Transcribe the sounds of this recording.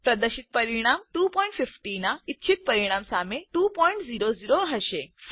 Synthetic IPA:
pɾɐd̪əɾɕit̪̚pəɾiɽ̃amʈupɔiɳʈfifʈinait̪t͡ɕʰit̪̚pəɾiɽ̃amsameʈuːpɔiɳʈd͡ziɾod͡ziɾoɦəɕe

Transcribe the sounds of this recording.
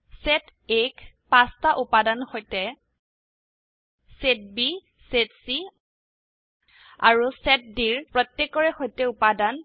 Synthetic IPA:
sɛtek | pastaʔupadanxojtɛ | set̚bi | setsi | a̰ɹusɛt̚diɹpɹɔtːjɛkːɔɹɛxojtɛupadan

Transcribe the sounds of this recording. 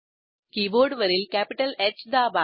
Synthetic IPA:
kiːboːɖʋɐɾɪlkaːpɪʈɐlet͡ʃd̪aːbaː

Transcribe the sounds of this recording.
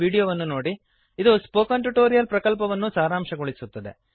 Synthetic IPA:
iːɽijoːʋɐnːuno̞ːɽi | id̪uspoːkɐɳʈuʈoːɾijɐlpɾɐkɐlpɐʋɐnːusaːɾaːmʂɐɡoɭisut̪ːɐd̪e̞̰

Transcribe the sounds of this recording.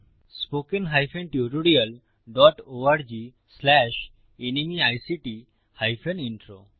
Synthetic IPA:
spokenɦajfʰenʈjuɾuɽiəl | ɖɔʈoaɾd͡ʑi | slɛʃ | enimiajsiʈi | hajpʰeniɳʈɾo

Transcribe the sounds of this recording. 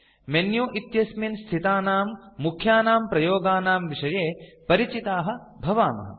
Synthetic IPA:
menjuːʔit̪jɐsminst̪ʰit̪aːnaːmːukʰjaːnaːmpɾɐjoːɡaːnaːmʋiʂɐjeːpɐɾit͡ʃit̪aːɦɐ̆ | bʱɐʋaːmɐ̰ɦɐ̰

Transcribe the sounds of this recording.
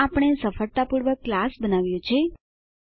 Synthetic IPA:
apəɽ̃esəfəɭt̪apuɾʋəkːlasbənaʋjõt͡ʃʰe

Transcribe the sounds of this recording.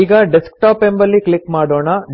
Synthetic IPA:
iːɡɐɖeskʈaːpembɐlːiklikmaːɽoːɳɐ

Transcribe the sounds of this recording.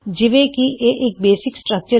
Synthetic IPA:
d͡ʒɪʋekiʔeʔeːk̚beːsɪksʈɾək̚t͡ʃə

